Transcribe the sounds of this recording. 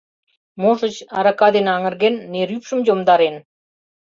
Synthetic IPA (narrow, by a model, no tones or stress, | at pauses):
moʂə̆t͡ɕɑ̰ɾɑkɑd̪enɑŋə̆rɡʲenːeɾypʃə̆md͡ʑomd̪ɑɾen